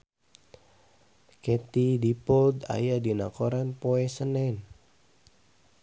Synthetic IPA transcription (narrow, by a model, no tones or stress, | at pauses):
kɛt̪idipɔld̪a̰jadinakɔɾanpoɛsənɛn